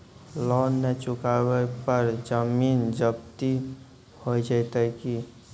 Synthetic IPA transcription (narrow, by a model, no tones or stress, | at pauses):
lɔnːet͡ʃukabɛpəɾd͡ʒəmind͡ʒəb̚t̪i | hojd͡ʒət̪əki